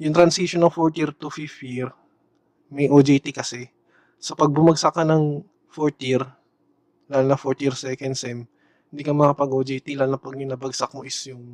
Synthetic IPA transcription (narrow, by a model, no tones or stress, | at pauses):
jʊŋt̪ɾɐnsiʃonːɐŋfoɹt̪jiɾt̪ʊfɪfjɪɹ | mɛjʔod͡ʒɛjt̪ɪkɐsɛ | sɐpɐɡ̚bʊmɐɡ̚sɐkːɐnɐŋ | foɹt̪jɪɾ | laːlnɐfoɹt̪jiɹsɛkɛnd̪sɛm | hɪ̃nd̪iːkɐmɐɐpɐɡʔoːd͡ʒɛjt̪ilaːlnɐpɐɡ̚jʊŋnɐbɐɡsak̚moʔɪsjʊŋ